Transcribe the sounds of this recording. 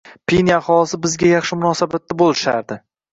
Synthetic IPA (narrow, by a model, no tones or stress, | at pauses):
pʰenjaχɒlˠɪsɪbɪzɡʲajɑχʃɪmʊnɒsabat̪ːabolˠɪʃa̰ɾd̪ɪ